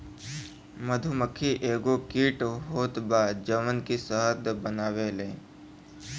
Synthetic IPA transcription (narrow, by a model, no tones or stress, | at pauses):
məd̪ʱuməkʰːiʔeːɡokiːʈɦoːt̪baːd͡ʒəmənkisəɦt̪bənaːwelẽː